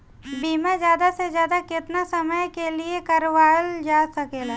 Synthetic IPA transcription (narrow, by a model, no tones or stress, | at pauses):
biːmazjaːd̪asezjaːd̪akɪt̪nasɐməjkeliekɐɾʋaːld͡ʒaːsɐkeːlaː